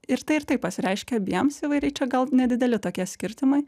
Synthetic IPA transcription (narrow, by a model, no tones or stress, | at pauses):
ɪɾt̪ɐɪɪɾt̪ɐɪpɐsʲɪɾʲɛɪʃʲkʲɛɐbʲiɛmsiʋɐɪɾʲɛɪt͡ʃʲɛɡɐlˠnʲɛd̪ʲɪd̪ʲɛlʲɪt̪oːkʲiɛsʲkʲɪɾʲt̪ʲɪmɐɪ